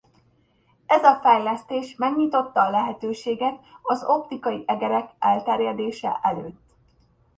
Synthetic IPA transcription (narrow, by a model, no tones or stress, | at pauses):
ɛzɒfɛjlɛst̪eːʃmɛɡɲit̪o̞t̪ːɒːlɛɦɛt̪øːʃeːɡɛt̪ɒzo̞pt̪ikɒjiʔɛɡɛɾɛkɛlt̪ɛrjɛd̪eːʃɛ̰ʔɛløːt̪ː